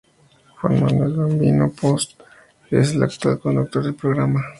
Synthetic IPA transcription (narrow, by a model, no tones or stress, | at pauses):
xwanmand̪elɡombinopost̪ | esela̰k̚t̪wa̰lkond̪uk̚t̪oɾðelpɾoɣɾama